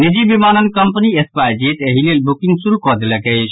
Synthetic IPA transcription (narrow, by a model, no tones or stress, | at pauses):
nid͡ʒibimanənkəmpniespajd͡ʒeʈəɦilelbukĩŋɡsuɾukɔd̪eləkəɪt͡ʃʰ